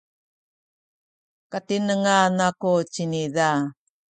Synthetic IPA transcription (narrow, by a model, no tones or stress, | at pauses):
katinəŋanakot͡ʃiniða